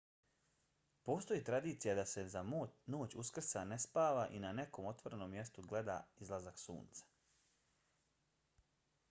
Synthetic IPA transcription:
po̞ːst̪o̞jiːt̪ɾad̪iːt̪sijad̪ase̞zamno̞ːt͡ɕuskr̩sanespaːʋaʔinane̞ko̞ːmo̞t̪ʋo̞ɾeno̞ːmːje̞st̪uɡle̞d̪a̰izlˠazaksṵːnt̪sḁ

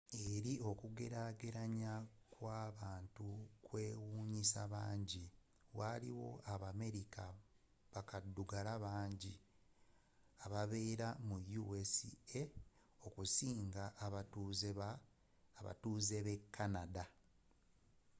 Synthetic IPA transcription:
e̞ɾio̞kuɡe̞ɾaɡeɾaɲakwaːβaːntukwe̞ːwuːɲisaβaːɲɟi | waliwo̞̰aβame̞ɾika | βakadːuɡalaβaːɲɟi | aβaβe̞ːɾamujuwesḭe | o̞kusiːŋɡaʔːβatuze | βa̰tuːze̞βe̞kːanada

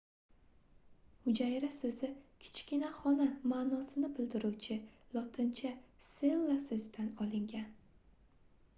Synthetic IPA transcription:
hʊd͡ʒajɾasɵzɪkʲʰɪ̥t͡ʃkʲinaχɒnamaːnɒsɪnɪbɪld̪ɪɾuwt͡ʃʰɪlˠɒt̪ʰɪnt͡ʃʰasenlasɵzd̪anɒlˠɪŋɡʲan

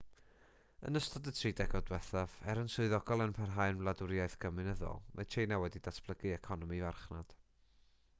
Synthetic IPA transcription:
ə̰nəstɔdətʰridɛɡɔdwɛθav̥ɛɾənsʊɨðɔɡɔlˠənpʰɛrɦaɨnvlˠadʊɾjajθɡ̥əmɨnəðɔ̰lˠmʔa̰tʰejnawɛdid̥asb̥lˠəɡɨɛkʰɔnɔmivarχnad̥

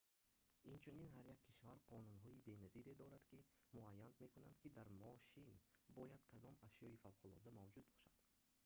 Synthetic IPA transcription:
int͡ʃʰuninɦaɾjakʰːiʃvaɾqʰɔnunɦɔibe̞naziɾed̪ɔɾad̪kʰimuajːand̪me̞kuna̰nd̪kʰid̪aɾmɔʃinbɔjad̪kʰad̪ɔmaʃjɔifawqʰʊlɔ̰d̪amavd͡ʒud̪̚bɔʃad̪̥

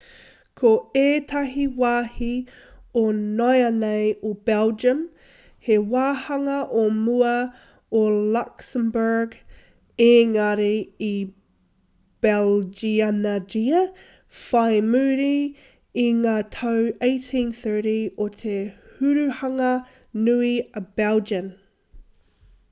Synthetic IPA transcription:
kʰoeːtʰɐɦiwaːhi | onɔjɐnejobɛld͡ʒəm | hewaːhɐŋɐʔomuɐ | olɐksəmbə˞ɡ | eŋɐɾii | b̥ɛld͡ʒianadiə | faɪmʉːɾi | iŋaːtʰoweɪtʰĩnθɜ˞ɾiot̪ʰehʉɾʉhɐŋɐ | nʉiəb̥ɛlˠd͡ʒəm

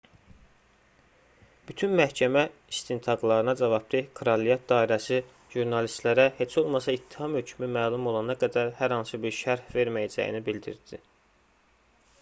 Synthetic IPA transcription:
b̥yt̪ʰynmæhcʰæmæist̪int̪ʰɑɡlˠɑɾɯnɑd͡ʒɑvɑb̚d̪ikʰɾɑlijɑt̪̚d̪ɑːiɾæsi | ʒ̥uɾnɑlist̪læɾæhe̞t͡ʃʰo̞lˠmɑsɑit̪ʰːihɑmhø̞cʰmymæːlˠumo̞lˠɑnɑɡæd̪æɾhæɾhɑnsɯbiɾʃæɾhve̞ɾmæjæd͡ʒæ̰jḭnibild̪ḭɾd̪̥i

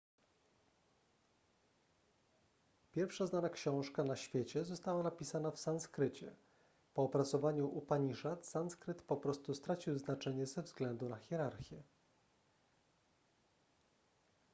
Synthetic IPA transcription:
pʲjɛɾfʂaznanakɕɔ̃w̃ʂkanaɕfʲjet͡ɕɛzɔst̪awanapʲisanafsanskɾɘt͡ɕɛ̰ | pɔːpɾat̪sɔvaɲuʔupaɲiʂat̪sanskɾɘt̪pɔpɾɔst̪ust̪ɾat͡ɕiwznat͡ʂɛɲɛzɛvzɡlɛnd̪unaxʲjɛɾaɾxʲjɛ

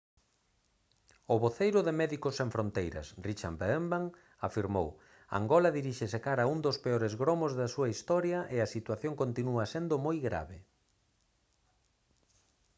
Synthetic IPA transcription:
ʊβoθejɾʊðemɛðikosẽɱfɾont̪ejɾɐ̰srit͡ʃa̰mbembaŋ | afiɾmo̰w | a̰ŋɡɔlɐðiɾiʃesekaɾaund̪ospeɔɾezɣɾomozðɐsuɐist̪ɔɾjɐʔeɐsit̪waθjoŋkont̪inuɐsend̪ʊmojɣɾa̰βɪ

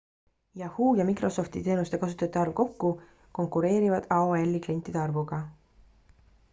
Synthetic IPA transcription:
jɑhuːjɑmikro̞so̞ft̪it̪e̞ːnust̪e̞kɑs̬u̥t̪ˑɑt̪ːˑeɑrvko̞kːu | ko̞ŋkuɾe̞ːɾivɑd̪̥ɑoelːiklient̪ːˑid̪eɑrvuɡ̥ɑ

